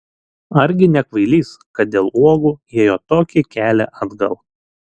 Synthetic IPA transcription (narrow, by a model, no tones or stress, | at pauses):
ɐɾʲɡʲɪnʲɛkʋɐɪlʲiːskɐt̪̚d̪ʲeːlˠuɔɡuːjiɛjoːt̪oːkʲɪkʲæːlʲɛʔɑd̪ɡɐlˠ